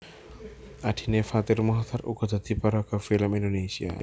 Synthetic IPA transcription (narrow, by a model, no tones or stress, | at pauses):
ad̥i̤nefat̪ɪrmɔɦat̪aɾṵɡɔd̪ʱa̤t̪ipaɾakəfiləmindonesia̰